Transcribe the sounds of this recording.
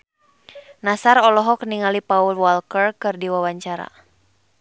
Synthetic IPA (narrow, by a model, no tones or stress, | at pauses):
nasaɾɔlɔɦɔkniŋalipaulwalkərkɨrdiwawaɲt͡ʃaɾa̰